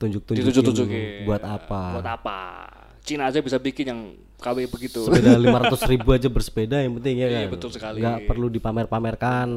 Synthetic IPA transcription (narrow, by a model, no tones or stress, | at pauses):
t̪uɲd͡ʒʊk̚t̪uɲd͡ʒ | buat̪apaat̪apa̰ | t͡ʃinad͡ʒabisabikɪnjaŋ | kawɛbəɡit̪uəedalimaɾat̪ʊsribuad͡ʒabərsə̥pedajaŋpənt̪ɪŋɲakanəʊlsəkaliŋɡaʔpərludipamɛrpamɛrkan